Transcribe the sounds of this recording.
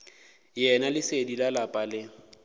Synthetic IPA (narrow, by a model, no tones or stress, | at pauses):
jɛnalɪsedilalapʼalɪ